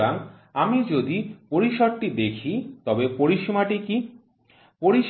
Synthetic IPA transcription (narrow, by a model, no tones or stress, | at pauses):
anamid͡ʑod̪ipoɾiʃoɾ̚ʈid̪ekʰit̪ɔbepoɾiʃmaʈiki | poɾiʃ